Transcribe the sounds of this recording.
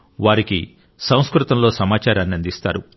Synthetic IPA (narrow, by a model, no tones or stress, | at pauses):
ʋaːɾiki | sɐ̃w̃skɾut̪ɐmlo̞ːsɐmaːt͡ʃaːɾaːnːiɐnd̪ist̪a̰ːɾu